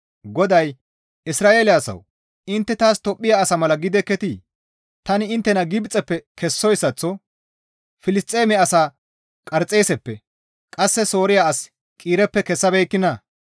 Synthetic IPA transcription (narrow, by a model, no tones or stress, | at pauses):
ɡɔd̪ɐj | ɪsɾaːʔeːlɪasɐ̰w | ɪnt̪ːɛt̪aːst̪ɔpʼːɪjaːsɐmɐlɐɡɪd̪ɛkːɛt̪iː | t̪ɐnɪɪnt̪ːɛnɐɡɪbt͡sʼːɛpːɛkɛsːɔjsːɐt͡sːɔ | fɪlɪst̪ʼːeːmɛɐsaː | kʼɐɾt͡sʼːe̞ːsɛpːɛ | kʼɐsːɛso̞ːɾɪjaɐs | kʼiːɾɛpːɛkɛsːɐbɛjkːɪnɐ